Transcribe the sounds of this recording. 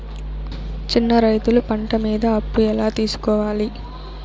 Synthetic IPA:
t͡ʃinːɐɾɐjt̪ulupɐɳʈɐmiːd̪ɐːpːuɛlaːt̪iːsu̥kɔːʋaːli

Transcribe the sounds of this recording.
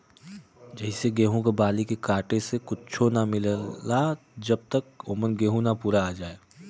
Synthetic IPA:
d͡ʒɐɦɪseɡeːɦũkebaːlikekaːʈesekʊt͡ʃʰonamɪla | d͡ʒɐb̚t̪əkoːmənɡeːɦũnapuːɾaːd͡ʒaːeː

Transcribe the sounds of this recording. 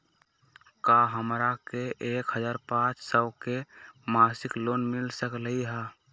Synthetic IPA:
kaɦəmɾakeʔekɦəd͡ʒaːɾpãt͡ʃsəbkemasɪklonmilsəkləiɦa

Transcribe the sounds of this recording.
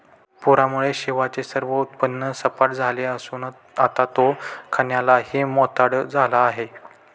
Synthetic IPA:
puɾamuɭeɕeʋat͡ɕesəɾʋəut̪̚pənːəsəpaʈ̚d͡zʱaleəsuːn | at̪at̪okʰəɳjalaɦimɔt̪aɽd͡zʱalaːɦe

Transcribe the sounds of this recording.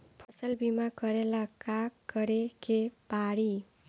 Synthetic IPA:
pʰʌsʌlbimakʌɾelakakɡʌɾekebaɽi

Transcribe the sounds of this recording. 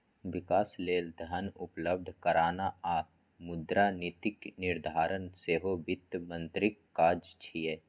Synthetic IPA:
ʋɪkaːsleːld̪ʱənʊpləb̚d̪ʱkəɾaːnaaː | mʊd̪ɾaːnit̪ɪknɪɾd̪ʱaːɾənseːɦobɪt̪ːmə̃nt̪ɾɪkːaːd͡ʒt͡ʃʰijeː

